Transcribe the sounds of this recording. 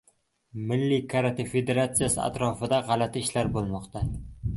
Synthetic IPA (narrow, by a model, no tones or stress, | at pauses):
mɪlːɪkʰaɾat̪ɪfe̞d̪eɾat̪sijasɪa̰t̪ɾɒfɪd̪aʁɑlat̪ʰɪɪʃlaɾbolˠmɒqt̪a